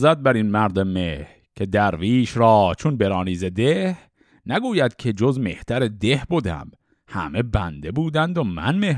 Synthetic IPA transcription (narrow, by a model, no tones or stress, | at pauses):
zæd̪̚bæɾinmæɾd̪emeh | cʰe̞d̪æɾviːʃɾɒːt͡ʃʰonbe̞ɾɒːniːzed̪ehh | næɡuːjæd̪̥cʲʰe̞d͡ʒozme̞ht̪æɾed̪e̞hbod̪æ̰m | hæ̰me̞bæ̰nd̪e̞buːd̪ænd̪omæ̰nmeh